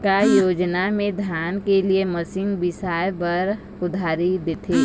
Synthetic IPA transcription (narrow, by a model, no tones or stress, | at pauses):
kajoːd͡ʒnamẽd̪ʱjaːnkelieməsɪ̃ŋɡbɪsaːjbəɾ | ʊd̪ʱaːɾid̪eːt̪ʰeː